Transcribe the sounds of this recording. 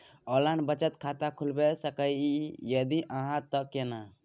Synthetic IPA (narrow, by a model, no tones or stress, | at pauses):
ɔlanbət͡ʃət̪kʰat̪akʰulbesəkəjijəd̪iʔəɦãt̪əkena